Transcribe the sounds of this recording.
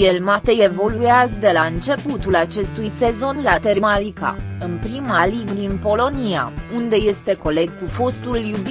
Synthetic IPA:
jelmat̪eje̞vo̞lujazd̪e̞laɨnt͡ʃe̞put̪ulat͡ʃe̞st̪ujse̞zo̞nlat̪e̞ɾmalika̰ɨnpɾimaliɡd̪inpo̞lo̞nia̰und̪e̞je̞st̪e̞ko̞le̞ɡ̚kufo̞st̪uljub

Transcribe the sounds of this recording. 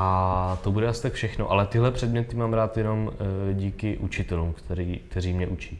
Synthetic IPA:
ʔat̪o̞budɛasɪ̥t̪akfʃɛxno̞̰ʔalɛt̪ɪɦlɛpr̝̥ɛdmɲɛt̪ɪmaːmɾaːt̪jɛno̞mɟiːkɪʔut͡ʃɪt̪ɛluːmkt̪ɛɾiːk̚t̪ɛɾiːmɲɛʔut͡ʃiː

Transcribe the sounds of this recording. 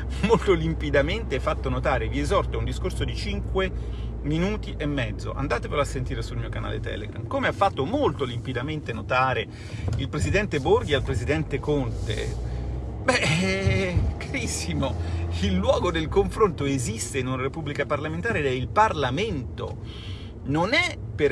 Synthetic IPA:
molt̪olimpid̪ament̪eɛfːat̪ːonot̪aːɾeviezɔrt̪ound̪iskorsod̪it͡ʃiŋkwe | minuːt̪iʔemːɛd̪zːo̰ʔa̰nd̪aːt̪epeɾasːent̪iːɾesulmiːokana̰ːlḛt̪ɛ̰ːlḛɡɾa̰mkomeafːat̪ːomolt̪olimpid̪ament̪enot̪aːɾe | ilpɾezid̪ɛnt̪eborɡialpɾezid̪ɛnt̪ekont̪ḛ | bɛ | kaɾisːimoilːwɔːɡod̪elkoɱfɾont̪oezist̪einunaɾepubːlikaparlamẽnt̪aːɾed̪ɛilparlament̪o̰ | nonɛpe

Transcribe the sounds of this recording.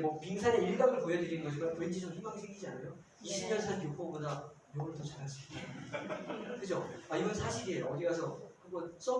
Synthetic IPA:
mopiŋsʰaneiɭɡaɡɯɭpojʌdɯɾinɯnɡʌɕʰimankwend͡ʑisʰʌmhiŋmaɡisʰeŋɡid͡ʑianajo | ɕʰimjʌnsʰankjopoboda | joɡuɾɯɭtʌt͡ɕaɾɦad͡ʑii | kɯt͡ɕʰoaiɡʌnsʰaɕʰiɾieoʌdiɡasʰʌkɯɡʌns͈ʌ

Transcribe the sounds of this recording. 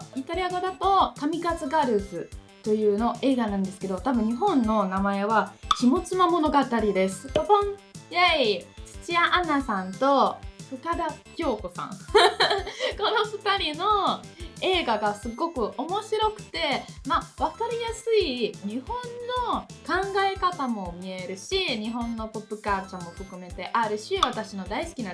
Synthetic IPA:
it̪aɾʲiaɡad̪at̪o̞kamʲikat͡sɨɡaɾɯ̟sɨt̪o̞jɯ̟ːno̞ʔe̞ːɡanãnd̪e̞sɨ̥ke̞d̪o̞t̪abɯ̟̃ɲ̟iɦõ̞nːo̞namae̞βakʲimo̞t͡sɨmamo̞no̞ɡat̪aɾʲid̪e̞sɨ̥põjait͡ɕɨ̥t͡ɕiaʔanasãnt̪o̞ɸɯ̟t̪ad̪akʲo̞ːko̞sã̰ŋ̃ | ko̞no̞ɸɯ̟t̪aɾʲino̞e̞ːɡaɡasɨɡo̞kɯ̟ʔo̞mo̞ɕiɾo̞kɯ̟̥t̪e̞maβakaɾʲijasɨiɲ̟ihõ̞nːo̞kãŋɡaekat̪amo̞mʲie̞ɾɯ̟ɕiɲ̟iɦõ̞nːo̞po̞pːɯ̟kaːt͡ɕãmːo̞ɸɯ̟kɯ̟me̞t̪e̞ʔaɾɯ̟ɕiβat̪aɕino̞d̪aisɨ̥kʲina

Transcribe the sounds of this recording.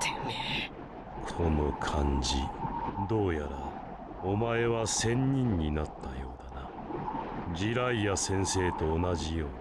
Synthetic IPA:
kʰo̞no̞kʰãɲd͡ʑḭd̪o̞ːjaɾa | omae̞βasẽ̞ɲ̟ːĩɲ̟ːinat̪ːajo̞ːd̪ana | d͡ʑiɾaijasẽ̞ɰ̃se̞ːt̪o̞ːnaʑijo̞ː

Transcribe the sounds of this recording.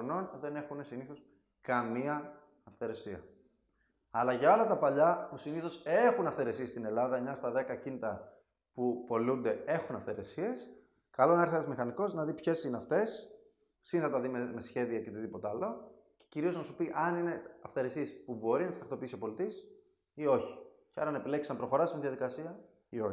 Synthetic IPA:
no̞nðe̞ne̞xunesiniθo̞s | kɐmiɐː | fθe̞ɾe̞siɐ̰ | ɐlɐʝɐo̞lɐt̪ɐpɐʎɐpusiniθo̞se̞xunɐfθe̞ɾe̞sie̞st̪ine̞lɐðɐmɲɐst̪ɐðe̞kɐcinit̪ɐ | pupo̞lund̪e̞e̞xunɐfθe̞ɾe̞sie̞s | kɐlo̞nɐeɾθet̪ɐzmixɐniko̞znɐðipçe̞sineɐft̪e̞sː | inθɐt̪ɐðimeme̞sçe̞ðiɐceot̪iðipo̞t̪eɐlo̞ | ce̥ciɾio̞znɐsupiʔɐnine̞ɐfθe̞ɾe̞sie̞spubo̞ɾinɐt̪ist̪ɐxt̪o̞piisio̞po̞lit̪is | io̞çi̥ | ceɐɾɐnepile̞ksɐmpɾo̞xo̞ɾɐsminðiɐðikɐsiɐ | io̞

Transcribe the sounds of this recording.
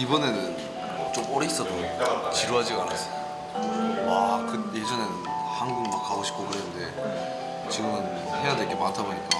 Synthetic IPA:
ibʌnenɯn | t͡ɕomʌɾis͈ʌdot͡ɕiɾuɦad͡ʑiɡanas͈ʌ̥ | wakɯjed͡ʑʌne | hanɡuŋmak̚k͈aɡoɕʰi̥k͈okɯɾenɯnde̞ | t͡ɕiɡɯmɯn | he̞jadweɡe̞mantʰaboɲik͈a̰

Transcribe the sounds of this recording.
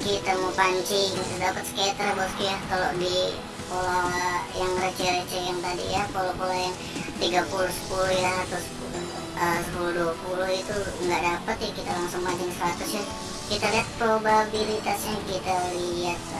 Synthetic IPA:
kit̪amopaɲt͡ʃikit̪udapət̪sə̥ket̪ɾabast̪ijakalodi | polajaŋrət͡ʃɛɾət͡ʃɛjaŋt̪adḭjapolopolajaŋ | t̪iɡapuluhsə̥pulujaat̪ospu | əsəpuluhduapuluhit̪uŋɡaʔdapət̪jakit̪alaŋsʊŋpaɲd͡ʒɪŋsəɾat̪ʊsja | kit̪aliɦat̪̚pɾobabilit̪asɲakit̪aliat̪̚

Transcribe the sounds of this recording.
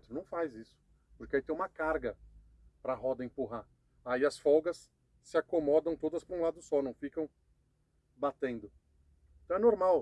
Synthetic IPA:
t̪ɾʊnɐ̃w̃fajzisʊ̥ | pʊɾkɪait̪ẽj̃ũmɐkaɾɡɐ | pɾɐɦɔd̪ɐẽpuɦa | aiɐsfɔɡɐsː | ɪakomɔd̪ɐ̃w̃t̪od̪ɐspɾũlad̪ʊsɔnɐ̃w̃fikɐ̃w̃ | bat̪ẽnd̪ʊ | eẽt̪ɐ̃ɛnoɾmaw

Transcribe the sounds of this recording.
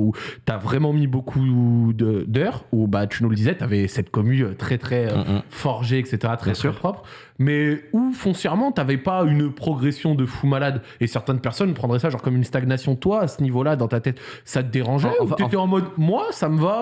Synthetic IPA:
ut̪yavʁɛmɑ̃mibokʰud̪ød̪œʁubat̪ynuləd̪izɛt̪yavɛsɛt̪̚kɔmyøt̪χɛt̪χɛøfɔʁʒeɛkset̪eʁat̪χɛsɛpχɔpχ | mɛufɔ̃sjɛʁmɑ̃t̪yavɛpaynpχɔɡʁesjɔ̃d̪əfumalad̪ | esɛʁt̪ɛ̃npɛʁsɔnpχɑ̃d̪ʁɛsaʒɑ̃ʁkɔmɛmynst̪aɡnasjɔ̃t̪waːsənivolad̪ɑ̃t̪at̪ɛt̪sat̪əd̪eʁɑ̃ʒɛuet̪ɛɑ̃mɔd̪mwasaməva

